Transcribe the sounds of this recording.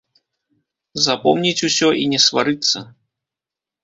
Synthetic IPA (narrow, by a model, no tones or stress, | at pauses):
zapɔwnʲit͡sʲusʲɔʔinʲɛsva̰ɾɨt̪sːɐ̰